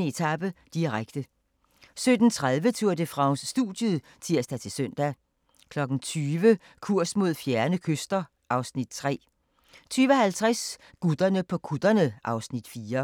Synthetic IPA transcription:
əe̝t͡sʰɑb̥əd̥iʁaɡ̥d̥ə | sød̥n̩t͡sʰʁað̞ˠʋət͡sʰuɐ̰d̥əfʁɑ̈ʊnsːd̥ṵd̥jəðˠ | t͡sʰiɐ̰sd̥æt͡sʰe̝lsœn̰d̥æ | kʰlɒ̽ɡ̥n̩t͡sʰyːʋə | kʰuɐ̰smo̝ð̞̰ˠfjæɐnəkʰøsd̥ɐ | ʔɑ̈ʊsnid̥̚t͡sʰʁɛ̰ː | t͡sʰyːʋəɒhælt͡sʰʁas | ɡ̥ud̥ɐnəpʰɒ̽kʰud̥ɐnəʔɑ̈ʊsnid̥fiːɐ

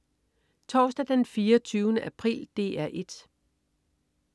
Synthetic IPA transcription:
t͡sʰɒːsd̥æd̥enfiːɐt͡sʰyːʊnəʔæpʰʁḭld̥e̝̰ːæɐ̰ʔe̝d̥

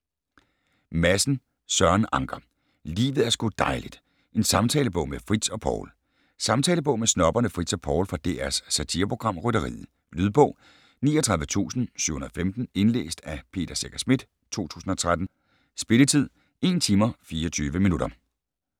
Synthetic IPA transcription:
mæsn̩ | sɶɐnɑ̈ŋɡ̥ɐ | lḭːʋð̩ˠæɐsɡ̥ud̥ɑ̈ɪlid̥ | ʔe̝nsɑ̈mt͡sʰɛːləb̥ɔ̽ʊmefʁid̥sɒ̽pʰɒ̰ʊl | sɑ̈mt͡sʰɛːləb̥ɔ̽ʊ̰mesnɒ̽b̥ɐnəfʁid̥sɒ̽pʰɒʊlfɑ̈d̥ḛːæɐsːæt͡sʰḭːɐpʰʁo̝ɡ̥ʁɑ̈m̰ʁœɾɐʁḭːð̩ˠ | lyð̞ˠb̥ɔ̽ʊ̰ | nḭːɒt͡sʰʁɑðˠʋət͡sʰṵːsn̩sy̰ʊhunɐðˠfemd̥n̩e̝nlḛːsd̥æpʰe̝̰ːd̥ɐseɡ̥æsmid̥ | t͡sʰo̝̰ːt͡sʰṵːsn̩ɒ̽t͡sʰʁad̥n̩ | sb̥e̝lət͡sʰið̞̰ˠ | e̝ːnt͡sʰiːmɐfiːɐɒt͡sʰyːʋəminud̥ɐ

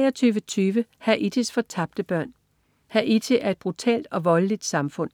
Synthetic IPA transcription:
ɛɐt͡sʰyːʋət͡sʰyːʋəhæʔit͡sʰe̝sfɒ̽t͡sʰɑ̈b̥̚d̥əb̥ɶɐ̰n | hæʔit͡sʰe̝ʔæɐe̝d̥̚b̥ʁut͡sʰɛ̰ːld̥ɒ̽ʋɒ̽ləlid̥sɑ̈mfɔ̽n̰

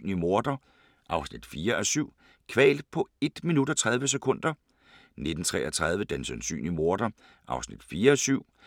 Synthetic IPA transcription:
nlimo̝ɐd̥ɐ | ʔɑ̈ʊsnid̥fiːɐʔæsyʊ̰ | kʰʋɛ̰ːld̥pʰɒ̽e̝d̥minudɒt͡sʰʁað̞ˠʋəs̬ekʰɔ̽n̰d̥ɐ | ne̝d̥n̩t͡sʰʁɛ̰ːʔɐt͡sʰʁað̞ˠʋəd̥ensænsy̰ːnlimo̝ɐd̥ɐ | ʔɑ̈ʊsnid̥fiːɐæsyʊ̰

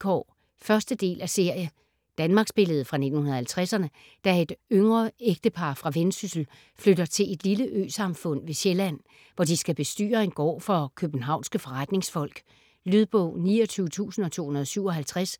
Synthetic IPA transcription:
ɡ̥ʰɒ̰ | fɶɐsd̥əd̥e̝̰ːlʔæse̝ɐ̰jə | d̥ænmɑ̈ɡ̥sb̥e̝ləð̞̩ˠfʁɑ̈ne̝d̥n̩hunɐð̩ˠhælt͡sʰʁasɐnə | d̥æe̝d̥øŋʁɐeɡ̥̚d̥əpʰɑ̈fʁɑ̈ʋensysl̩ | fløɾɐt͡sʰe̝le̝d̥liləʔø̰ːsɑ̈mfɔ̽n̰ʋe̝ɕelæn̰ | ʋɒd̥isɡ̥æb̥e̝sd̥y̰ːɐenɡ̥ɒ̰ːfɒ̽kʰøb̥n̩ɦɑ̈ʊnsɡ̥əfɒ̽ʁad̥ne̝ŋsfɒ̽l̰ɡ̥ | lyðˠb̥ɔ̰ʊ̰niːɒt͡sʰyːʊət͡sʰṵːsn̩ɒt͡sʰo̝̰ːhunɐðˠɒ̽syʊɒ̽ɦælt͡sʰʁas

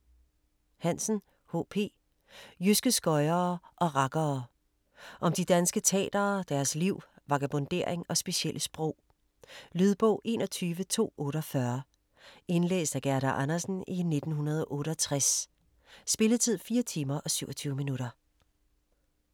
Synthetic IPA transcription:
hæn̰sn̩ | ho̝̰ːpʰe̝̰ː | jysɡ̥əsɡ̥ɒ̽ɪɐːʔɒ̽ʁɑ̈ɡ̥ɐː | ʔɒ̽md̥id̥ænsɡ̥ət͡sʰɛ̰ːd̥ɐːd̥æɐsliʊ̰ | ʋɑ̈ɡ̥æb̥o̽nd̥e̝ɐ̰eŋɒ̽sb̥e̝ɕiel̰ʔəsb̥ʁɔ̰ʊ̰ | lyð̞ˠb̥ɔʊ̰ʔe̝ːnɒt͡sʰyːʋət͡sʰo̝̰ːɔ̽ːɾɒfɶɐ | e̝nlḛːsd̥æɡ̥æɐɾ̥ɐʔɑnɐsn̩ine̝d̥n̩ɦunɐð̞ˠɒʔɔ̽ːɾəɒt͡sʰʁasː | b̥e̝ləðˠt͡sʰið̞̰ˠfiːɐt͡sʰiːmɐʔɒ̽syʊ̰ɒt͡sʰyːʊəminuɾɐ

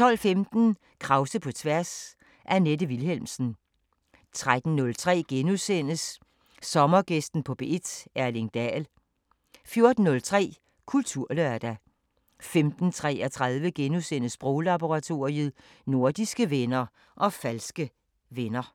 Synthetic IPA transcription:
t͡sʰɒ̽l̰femd̥n̩ | kʰʁɑ̈ʊsəpʰɒ̽t͡sʰʋæɐs | ʔæɐned̥əʋilhelmsn̩ | t͡sʰʁad̥n̩ːɔ̽lt͡sʰʁɛ̰ːɡ̥enusen̰əsː | ɒ̽mɐɡ̥esd̥n̩pʰɒ̽b̥e̝ed̥æɐle̝ŋd̥ɛ̰ːl | fjo̝ɐd̥n̩ːɔ̽lt͡sʰʁɛ̰ː | kʰult͡sʰuɐ̰løɐd̥æ | femd̥n̩t͡sʰʁɛ̰ːæt͡sʰʁaðˠʋəɡ̥enusen̰əsb̥ʁoʊlɑb̥o̝ʁɑ̈t͡sʰo̝̰ːiəð̩ˠ | no̝ɐd̥isɡ̥əʋenɐ | ʔɒ̽fælsɡ̥ə | ʋenɐ

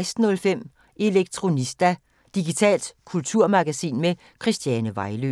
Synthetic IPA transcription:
ɪsd̥n̩ɔ̽lfem̰ | ʔe̝leɡ̥̚t͡sʰʁo̝nisd̥æ | d̥iɡ̥it͡sʰɛ̰ːld̥kʰult͡sʰuɐ̰mɑ̈ɡ̥æsḭːnme | kʰʁisd̥jænəʋɑ̈ɪlø

